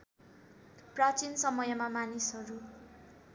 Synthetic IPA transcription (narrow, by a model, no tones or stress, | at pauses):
prat͡sinsʌmʌjʌmamanisɦʌɾu